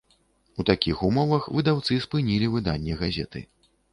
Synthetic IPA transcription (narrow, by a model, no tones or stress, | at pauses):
ut̪akʲixumɔvɐxvɨd̪awt̪sɨspɨnʲilʲivɨd̪anʲːɛɣazʲɛ̰t̪ɨ̰